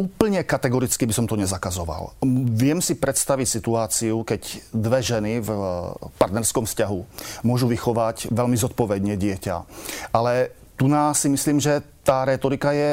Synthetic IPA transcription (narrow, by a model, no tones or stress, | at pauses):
uːpl̩ɲɛkat̪ɛɡɔɾit͡skibisɔmt̪ɔɲɛzakazɔʋa̰lʋɪɛmsipɾɛt̪st̪aʋicsit̪uaːt͡siukɛɟd̪ʋɛʒɛnivpaɾt̪nɛɾskɔmfscaɦumʊɔʒuʋixɔʋacʋɛlmizɔt̪̚pɔʋɛd̪ɲɛɟɪɛca̰ʔalɛ | t̪unaːsimisliːmʒɛt̪aːɾɛːt̪ɔɾikajɛ